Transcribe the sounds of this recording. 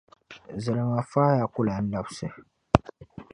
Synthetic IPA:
zɨ˨lɨ˨ŋa˨faː˦ja˨kʊ˦la˨n̩˦da˦bsɨ˨

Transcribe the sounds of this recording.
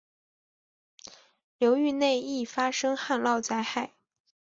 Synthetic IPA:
ljo˧˥ʊy˥˧ne˥˧ɪi˥˩fa˥ʂɤ˥ŋxa˥˧nlɑ˥˧ʊt͡sa˥˧ɪxa˥˩ɪ

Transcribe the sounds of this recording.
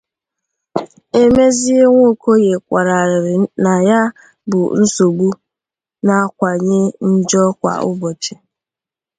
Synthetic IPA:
e˦me˦zi˦e˦ŋʷo˦˨ko˦ɣe˨kʷa˨ɾa˨ɾɪ˨ɾɪ˨na˨ja˦ | bʊ̰˨n̩˦so˨ɡ͡bu˦ | na˦kʷa˨ɲe˦n̩˦d͡ʒɔ˦kʷa̰˨ʊ̰˦bɔ˨t͡ʃɪ˨

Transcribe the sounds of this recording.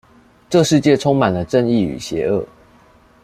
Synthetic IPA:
ʈ͡ʂɤ˥˧ʂɻ̩˥˧t͡ɕjɛ˥˨ʈ͡ʂʰo˦ŋma˨˩ndə˩ʈ͡ʂə˥˧ŋi˥˨y̰˨˩ɕjɛ˨˧˥ə˥˩

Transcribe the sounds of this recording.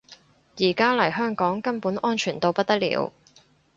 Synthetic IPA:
jiː˨˩kaː˥lɐ˨˩jɦœː˥ŋkɔː˨˥ŋkɐ˥npuː˨˥nʔɔː˥nt͡ʃʰyː˨˩nt̪o˧wpɐ˥t̚t̪ːɐ˥lḭː˧˥w

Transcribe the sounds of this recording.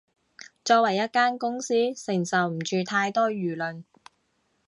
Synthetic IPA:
t͡ʃɔː˧kwɐ˨˩jɐ˥t̚kaː˥nkʊ˥ŋsiː˥sɪ˨˩ŋsɐ˨˩wm̩˨˩t͡ʃyː˨˧t̪ʰaː˧jt̪ɔː˥jyː˨˩lɵ˨n

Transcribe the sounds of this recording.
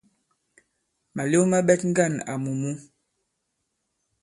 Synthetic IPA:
ma˨le˦ma˦ɓɛ˦tŋ̩˦ɡa˦˨na̰˨mu˨mu˦

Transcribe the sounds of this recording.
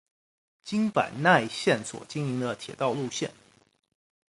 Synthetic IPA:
t͡ɕi˥ŋpa̰˨˩nna˥˧ɪɕjɛ˥˩nswɔ̰˨˩t͡ɕi˥ŋli˧˥ŋd̪ə˧t̪ʰjɛ˨˩t̪ɑ˥˧ʊlu˥˧ɕjɛ˥˩n

